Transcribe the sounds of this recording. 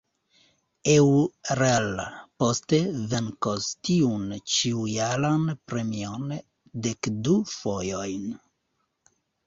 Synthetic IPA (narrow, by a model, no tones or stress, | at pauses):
ewɾelpost̪eveŋkostiunt͡ʃiujalanpɾemion | d̪ekdufojojn